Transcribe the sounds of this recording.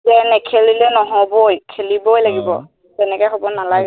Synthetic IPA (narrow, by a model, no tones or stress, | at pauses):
zɛnɛkʰelilɛnɔɦɔbojkʰelibojlaɡibɔ̰ | tɛnɛkɔjxobɔnalaɡɛ